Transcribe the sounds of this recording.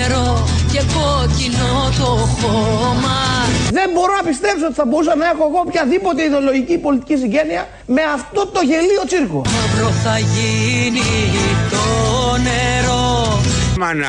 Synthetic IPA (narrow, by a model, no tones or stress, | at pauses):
ɾoce̞kocinot̪oxomɐðe̞mbo̞ɾo̞nɐpist̪e̞psoot̪i̥θɐbo̞ɾusɐnɐe̞xo̞eɣo̞pçɐðipo̞t̪eiðeolo̞ʝicipo̞lit̪i̥cis̬iɲɟe̞niɐ | me̞ɐft̪o̞t̪o̞ʝe̞lio̞t͡siɾkomupɾoθɐʝinit̪oneɾo | mɐn